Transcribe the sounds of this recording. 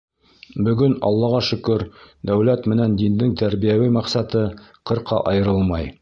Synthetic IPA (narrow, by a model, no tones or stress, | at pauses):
bɵ̆ɡɵnɑ̰lˠːɑʁɑʃɵ̆kɵɾd̪æwlæt̪mɘ̆nænd̪ind̪ɘŋt̪æɾbijæwɘmɑqsɑt̪ɤqɤ̆ɾqɑ̰ʔɑjɤ̆ɾɤlˠmɑj